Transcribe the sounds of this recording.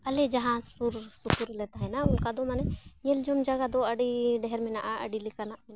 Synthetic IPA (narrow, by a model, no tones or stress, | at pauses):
ɐled͡ʒɐɦãsuɾsukuɾlɛt̪aɦɛnaʊnkad̪ɔmanɛɲeld͡ʒɔmd͡ʒaɡad̪ɔəɖiɖɛɦɛɾmɛnaʔaə̰ɖilikaɾnaʔmɛn